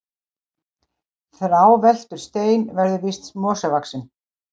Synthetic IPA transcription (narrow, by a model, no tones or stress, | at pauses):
θɾawvɛl̥t̪ʏɾ̥st̪eːjnvɛɾðʏvist̪smɔːsɛvaksɪn